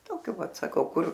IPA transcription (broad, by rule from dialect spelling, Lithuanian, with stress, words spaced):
ˈtoːkʲoː ˈʋɐt sɐˈkɐʊ ˈkʊr